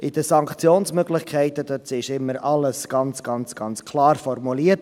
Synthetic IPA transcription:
ʔɪd̥əsɑŋkt͡sjoːnsmœɡlɪχkʰɛɪtəd̥øtɪʃɪmːəɾɑləsɡ̥ɑnt͡sɡ̥ɑnt͡sɡ̥ɑnt͡skʰlɑːɾfɔrmuliːət

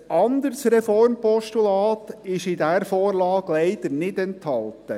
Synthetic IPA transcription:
ɑnd̪əɾsrɛfɔɾmpɔʃtulɑːt̪ɪʃɪdæɾfɔːrlɑːɡ̥lɛɪd̥̪əɾnɪdɛnt̪hɑlt̪ə

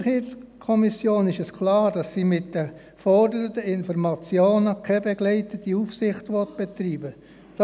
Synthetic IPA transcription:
χiːt͡skʰɔmisjoːnɪʃɛskʰlɑːɾd̥ɑsːiːmɪtd̥ə | fɔɾdəɾədəɪnfɔɾmɑt͡sjoːnəkʰɛbɛɡ̥lɛɪtətiufsɪχtʋɔtb̥et̪riːbə | d̥ɑ

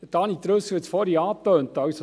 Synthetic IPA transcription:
tɑnit̪ɾɵsəɛt͡sfɔɾiɑːtøːnt̪ɑwso

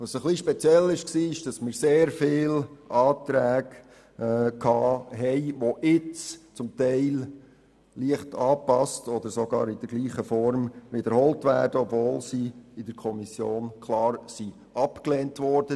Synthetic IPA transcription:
ʋɑsəχliʃpɛt͡sjɛlɪʃksiːɪʃd̥ɑsmɪːɾseːɾfɪːlʔɑːt̪ɾæːɡ | kʰɑːɦɛɪʋoʔɪt͡st͡sʊmtɛɪl | liəχtʰɑːpɑstɔd̪əɾsɔɡɑ̰ːɾɪd̥əɾɡliːχəfɔɾmʋɪdəɾhɔltʋæːɾd̥əɔbvoːlsiɪd̥əɾkʰɔmisjoːnkʰlɑːɾsi | ɑpkleːntʋɔɾd̥ə

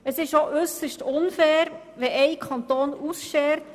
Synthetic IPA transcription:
əsɪʃoʔʏsəʃtʊnfɛːɾ | ʋɛʔɛɪkʰɑnt̪oːnusʃɛːɾt

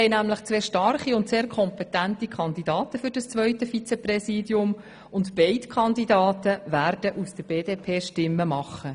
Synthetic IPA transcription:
ɛjnæmləχt͡sʋeːʃtɑrχiʊntseːɾkʰɔmpɛtæntikʰɑndidɑːtəfʏɾdɑst͡sʋœʏtəfit͡sɛprɛsiːdjʊm | ʊntb̥ɛɪtkʰɑndidɑːtəværd̥əʔusd̥əɾb̥eːdeːpʰeːʃtɪmːəmɑχːə

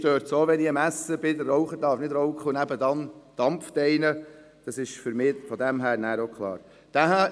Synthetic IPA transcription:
ʃtøːɾtsoːʋɛniəmæsəbɪdərːɔʊχət̪ɑːɾfnɪdɾɔʊkχʊnæbədɑnd̥ɑmftɛjnə | d̥ɑsɪʃfʏɾmɪːfɔdæmɦæːɾnæːɾokχlˠɑ̰ːɾ | d̥æɦæ

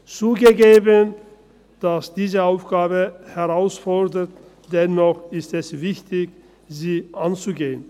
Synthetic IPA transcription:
t͡suːɡəɡeːbən | d̥asd̥iːzəaʊfɡ̥aːbəhɛʁaʊsfɔɐdɐt | d̥ɛnɔχɪstɛsvɪçtʰɪç | ziːʔant͡suɡeːən

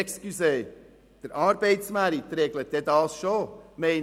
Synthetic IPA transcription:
kskyseː | d̥əɾɑːɾb̥eɪtsmæɾit̪ɾeɡlət̚d̥ɛd̪ɑːsʃoːmeɪn

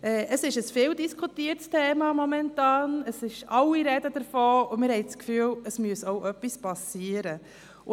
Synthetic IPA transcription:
ʔɛʔəsɪʃəsfɪːldiskʰutiəɾtstʰeːmɑmɔmɛntɑːnəsɪʃɑlːiɾɛd̥əd̥əɾfoːʊmɪɾhɛɪskfyːələsmyəsoʊʔœpːispɑsiːəɾə | ʊ

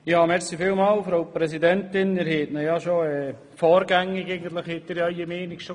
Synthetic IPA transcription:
jɑːmɛɾsifɪːlmɑːlfɾowpɾɛsidɛntɪnɪɾhɛt̪nəjɑʃoɛː | fɔːɾɡæŋːɪɡɛɪɡən̩t̪ləχhɛt̪ːɪːɾjɑiəmeːnɪkʃo

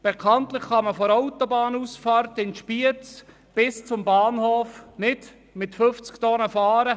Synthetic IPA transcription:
b̥ekʰɑntlɪχχɑməfɔɾaʊtobɑːnusfɑːrtɪnʃpiət͡s | b̥ɪst͡sʊmbɑːnhoːfnɪd | mɪtføft͡sktɔnəfɑːɾə

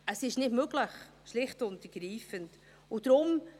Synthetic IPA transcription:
əsɪʃnɪtmøɡləχ | ʃlɪχtʊntəɾɡ̥ɾiːfənt | ʊd̥ɾʊm

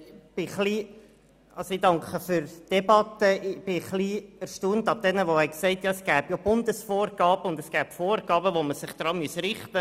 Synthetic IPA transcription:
b̥ɪχli | ɑlsoɪdɑŋkχəfʏɾd̥ɛbɑt̪əb̥ɪχliːæɾʃtuːntɑb̚d̥ɛnəʋohɛɪksɛɪtjɑɛsɡ̥æːb̥job̥ʊnd̪əsfoːrɡ̥ɑːb̥əʊndəsɡ̥æːpfoːrɡ̥ɑːbəʋoməsɪχd̪̥ɾɑːmysɾɪχtə

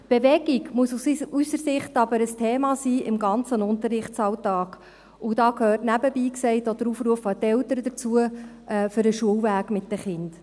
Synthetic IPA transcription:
b̥eʋɛɡ̥iɡmuəsusysəɾsɪχtɑbəɾəstʰeːmɑːsiːʔɪmɡɑnt͡sənʊntəɾɪχt͡sɑwtɑːɡ̥ | ud̥ɑːkʰhøːrtnæbəbiːksɛɪtod̥əɾufɾuəfɑt̪ɛltəɾəd̪ət͡suə | ɛːfʏɾəʃuəwvæːɡ̥mɪt̚d̥əχɪnd̥

